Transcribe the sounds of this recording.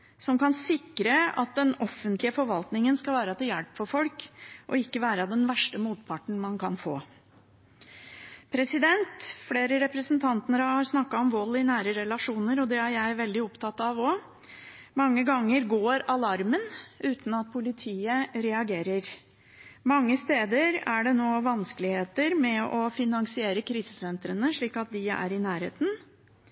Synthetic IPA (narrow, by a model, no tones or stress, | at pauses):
sɔmkɑnsɪkːɾəɑ̰t̪̚d̪ɛnɔfːənt̪lɪəfɔɾʋɑlt̪nɪŋənskɑʋæːɾɑt̪ʰɛjælpfɔɾfɔlkʔɔ̰ɪkːəʋæːɾəd̪ɛnʋæʂʈəmuːt̪pʰɑʈɳ̩mɑnkʰɑnfoː | pʰɾɛsɪd̪ɛnt̪fleːɾəɾɛpɾəsnt̪ʰɑnt̪ənəɾəɑɾsnɑkːɑɔmʋɔlːɪnæːɾəɾɛlɑʂuːnəɾɔd̪ɛæɾjæɪʋɛld̪ɪɔpt̪ʰɑt̪ːɑʋɔ | mɑŋːəɡɑŋːəɾɡoːɾɑlɑɾmənʔʉːt̪n̩ɑt̪̚pʰʊlɪt̪ʰiːəɾɛɑɡeːɾəɾ | mɑŋːəst̪eːd̪əɾæɖɛnoːʋɑnskəlɪheːt̪əɾmɛɔfɪnɑŋsɪeːɾəkʰɾiːsə̥sɛnt̪ɾənəʂɭiːkɑt̪̚d̪ɪæ̰ɾɪnæːɾhḛːt̪n̩